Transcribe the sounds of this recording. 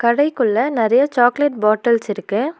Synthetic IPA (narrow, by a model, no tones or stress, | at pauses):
kɐɽɐɪkɯɭːɐnɪɾɐjɐt͡ʃaːkleʈ̚baːʈːɐlsɪɾɯkːɯ